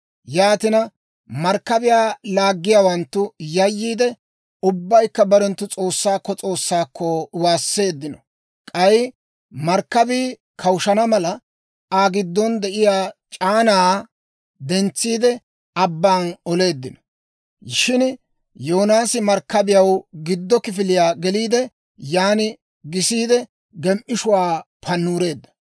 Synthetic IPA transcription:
jaːt̪ɪnɐ | mɐɾkːɐbɪjaːlaːɡːɪjaːwɐnt̪ːʊjɐjːiːd̪ɛ | ʊbːɐjkːɐbɐɾɛnt̪ːʊt͡sʼo̞ːsːaːkːɔt͡sʼo̞ːsːaːkʰːɔwaːsːe̞ːd̪ːɪnɔ | kʼɐj | mɐɾkːɐbiː | kʰɐwʃɐnɐmɐlɐ | aːɡɪd̪ːɔnd̪ɛʔɪjaːt͡ʃʼaːnaː | d̪ɛnt͡sːiːd̪ɛ | ɐbːaːnɔle̞ːd̪ːɪnɔ̥ | ʃɪn | joːnaːsɪmɐɾkːɐbɪjɐwɡɪd̪ːɔkɪfɪlɪjaːɡɛliːd̪ɛ | jaːnɪ | ɡɪsiːd̪ɛ | ɡɛmʔɪʃʊwaː | pʰɐnːuːɾe̞ːd̪ːɐ̥

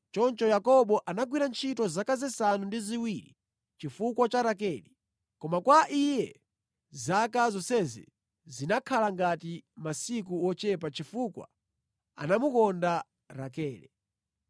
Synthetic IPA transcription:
t͡ʃɔnt͡ʃɔjakɔɓɔʔanaɡwiɾant͡ʃʰitɔzakazɛsanundiziwiɾḭ | t͡ʃifukwat͡ʃaɾakɛːli | kɔmakwaʔijɛ | zakazɔsɛzɛ̰ | zinakʰalaŋɡatimasikuwɔt͡ʃɛpat͡ʃifukwa̰ | a̰namukɔnda | ɾakɛːlɛ̰

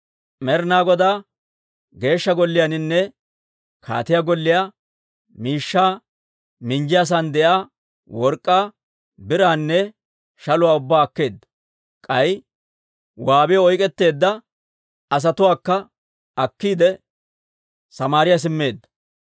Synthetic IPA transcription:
mɛɾnaːɡɔd̪aː | ɡe̞ːʃːɐɡɔlːɪjanɪnːɛ | kʰa̰ːt̪ɪjaɡɔlːɪjaː | miːʃːaː | mɪnd͡ʒɪjas̬and̪ɛʔaː | wɔɾkʼːaː | bɪɾaːnːɛ | ʃɐlʊwaːʊbːaːɐkːe̞ːd̪ːɐ | kʼɐj | waːbɪjɔjkʼɛt̪ːe̞ːd̪ːɐ | ɐs̬ɐt̪ʊwaːkːɐ | ɐkːiːd̪ɛ | sɐmaːɾɪjas̬ɪmːe̞ːd̪ːɐ̥

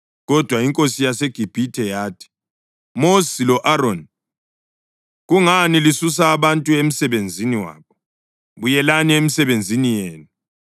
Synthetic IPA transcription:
ɣɔd̥ʱwaiŋkʼosijaseɡ̥ʱib̥ʱitʰɛjaːtʰi̥ | mosilɔʔaɾon | ɣuŋanilisus̬aːβantʼuem̩sɛβend͡zʱiniwa̰ːβɔ | βujɛlaniemisɛβend͡zʱinijeːnu

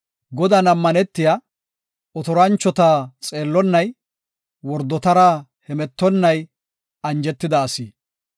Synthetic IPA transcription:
ɡɔd̪ɐnɐmːɐnɛt̪ːɪja | ɔt̪ɔɾɐnt͡ʃːɔt̪aːt͡sʼe̞ːlːɔnːɐj | wɔɾd̪ɔt̪ɐɾa | hɛmɛt̪ːɔnːɐj | ɐnd͡ʒɛt̪ːɪd̪ɐːsiː

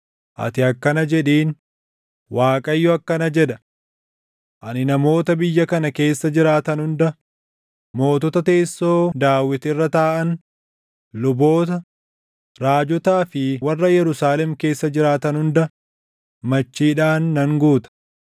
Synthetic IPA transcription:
ʔɐ̰t̪ɪɐkːɐnɐd͡ʒɛᶑiːn | waːkʼɐjːɔɐkːɐnɐd͡ʒɛᶑɐ | ʔɐnɪnɐmo̞ːt̪ɐbɪjːɐkɐnɐke̞ːsːɐd͡ʒɪɾaːt̪ɐnhʊnd̪ɐ | mo̞ːt̪ɔt̪ɐt̪e̞ːsːo̞ːd̪aːwɪt̪ɪrːɐt̪aːʔɐn | lʊbo̞ːt̪ɐ | ɾaːd͡ʒɔt̪aːfɪwɐrːɐjɛɾʊsaːlɛmke̞ːsːɐd͡ʒɪɾaːt̪ɐnhʊnd̪ɐ | mɐt͡ʃːiːᶑaːnːɐŋɡuːt̪ɐ̥

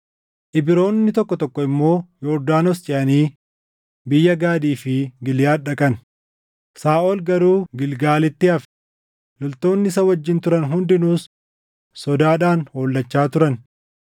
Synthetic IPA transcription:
ʔɪbɪɾo̞ːnːɪt̪ɔkːɔt̪ɔkːɔɪmːo̞ːjɔɾd̪aːnost͡ʃɪʔɐniː | bɪjːɐɡaːd̪iːfɪɡɪljaːᶑɐkʼɐn | saːʔolɡɐɾuːɡɪlɡaːlɪt̪ːɪɐf | lɔlt̪o̞ːnːɪɪsɐwɐd͡ʒːɪnt̪ʊɾɐnɦʊnd̪ɪnuːsː | ɔd̪aːᶑaːnho̞ːlːɐt͡ʃːaːt̪ʊɾɐn

